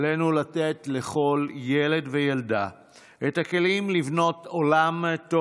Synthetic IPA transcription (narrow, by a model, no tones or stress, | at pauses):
lenulatetle̞χo̞lje̞le̞dvejelda | etake̞limlivno̞to̞lamto